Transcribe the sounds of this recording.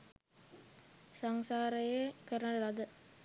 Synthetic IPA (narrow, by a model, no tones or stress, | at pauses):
saŋsaːɾɐjekəɾlɐd̪ə